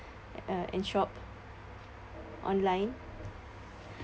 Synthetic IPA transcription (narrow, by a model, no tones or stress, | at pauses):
ʔɛ̰̃nʃɔp | ʔɔ̰̃nlãɪ̃n